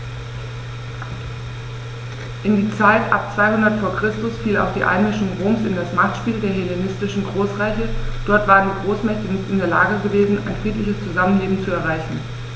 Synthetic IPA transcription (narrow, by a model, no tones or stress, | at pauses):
ʔɪndiːt͡saɪtʔa̰p̚t͡sv̥aɪhʊndɐtfoːɐkʁ̥ɪstʊsfiːla̰ʊxd̥iːʔa̰ɪnmɪʃʊŋʁoːmsɪndasmaχtʃpiːldeːɐɦelenɪstɪʃn̩ɡʁoːsʁɛɪçəd̥ɔɐtv̥aːʁəndiːɡʁoːsmɛçtənɪçtɪndeːɐla̰ːɡəɡəveːzn̩ʔa̰ɪnfʁ̥iːtlɪçəst͡suzamənleːbm̩t͡suɛɐʁ̞aɪçn̩